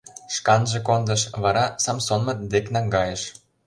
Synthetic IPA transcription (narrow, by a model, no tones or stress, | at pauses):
ʃkɑnʒĕkond̪ɤ̆ʃβɑɾɑsɑmsonmɤ̆d̪eknɑŋɡɑjə̆ʃ